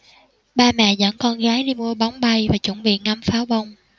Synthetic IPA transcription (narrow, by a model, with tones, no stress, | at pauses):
ɓaː˧mɛ̰˧˨zə̰˧˥nkɔ˧nɣaː˨˦jɗi˧mu˧əɓɔ˨˦wŋ͡mɓa˧jvaː˨˩t͡ɕə˧˩nɓḭ˧˨ənŋa˨˧˦mfaː˨˦wɓo˧wŋ͡m